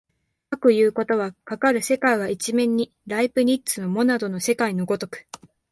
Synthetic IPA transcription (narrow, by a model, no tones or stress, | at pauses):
akɯ̟jɯ̟ːko̞t̪o̞β̞akakaɾɯ̟se̞kaiβait͡ɕimẽ̞ɲ̟ːi | ɾaipɯ̟ɲ̟itːt͡sɨno̞mo̞nad̪o̞no̞se̞kaino̞ɡo̞t̪o̞kɯ̟̥